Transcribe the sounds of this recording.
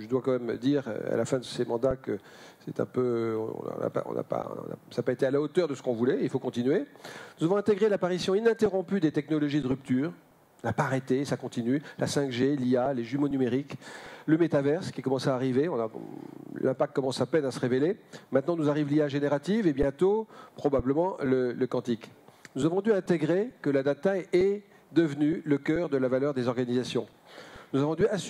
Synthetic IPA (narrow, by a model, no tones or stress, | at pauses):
ʒəd̪wakɑ̃mɛmd̪iʁ̰a̰lafɛ̃d̪əsemɑ̃d̪akə | sɛt̪ɛ̰̃pøɔ̰̃ɔ̰̃nã̰a̰pã̰na̰pa̰ɔ̰̃na̰sapaet̪ealaot̪œʁd̪əsə̥kɔ̃vulɛilfokɔ̃t̪inyɥenuzavɔ̃ɛ̃t̪eɡʁelapaʁisjɔ̃inɛ̃t̪eʁɔ̃pyd̪et̪ɛknɔlɔʒid̪əʁyp̚t̪yːʁ | napaʁet̪esakɔ̃t̪inylasɛ̃kʒelialeʒymonymeʁikləmet̪avɛʁskʲikɔmɑ̃saːʁiveɔ̃na | lɛ̃pak̚t̪kːɔmɑ̃sapɛnasəʁevelemɛ̃t̪̚nɑ̃nuzaʁivliaʒeneʁat̪ivebjɛ̃t̪opχɔbabləmɑ̃lələkɑ̃t̪iknuzavɔ̃d̪yɛ̃t̪eɡʁekəlad̪at̪aɛ | d̪əvnyləkʲœʁd̪əlavalœʁd̪ezɔʁɡanizasjɔ̃ | nuzavɔ̃d̪yas